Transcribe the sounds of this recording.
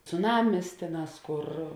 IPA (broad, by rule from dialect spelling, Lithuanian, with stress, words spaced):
t͡sʊˈnɑːmʲɪs ˈtʲeːˌnɑːs ˈkʊr